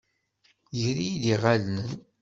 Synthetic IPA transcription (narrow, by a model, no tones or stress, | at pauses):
zɾijid̪iʁalnən